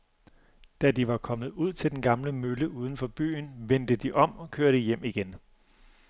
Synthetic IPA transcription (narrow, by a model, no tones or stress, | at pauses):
d̥æd̥iʋɑ̈kʰɒ̽mð̞̩ˠuð̰ˠt͡sʰe̝ld̥enɡ̥ɑ̈mləmøləʔuːð̞ˠn̩fɒ̽b̥y̰ːnʋend̥əd̥iʔɒ̽m̰ɒ̽kʰøːɐɾ̥əjem̰iɡ̥en